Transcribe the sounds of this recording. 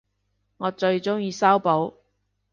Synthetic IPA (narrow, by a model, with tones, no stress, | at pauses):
ŋɔː˨˧t͡ʃɵ˧ɥt͡sʊ˥ŋjiː˨˧saː˥wpo˨˥w